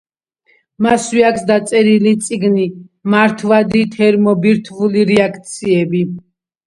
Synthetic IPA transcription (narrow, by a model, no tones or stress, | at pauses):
maswiakʰsd̪at̪sʼɛɾilit̪sʼiɡnimaɾt̪ʰvad̪it̪ʰɛɾmɔbiɾt̪ʰvuliɾɛakʰt̪sʰiɛbi